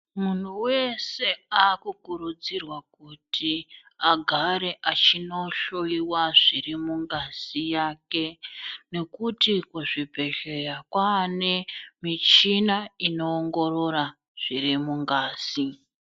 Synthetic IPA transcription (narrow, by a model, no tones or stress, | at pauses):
mun̤uwe̞se̞aːkukuɾud͡zirwakutʰi | aɡʱaɾe̞ʔat͡ʃino̞ʃoiwaʐiɾimuŋɡaz̥ijaːke̞ne̞kutikuʐipe̞ʒe̞rakwane̞mit͡ʃinaino̞ːŋɡo̞ɾo̞ɾa | ʐ̥iɾimuŋɡaːz̥i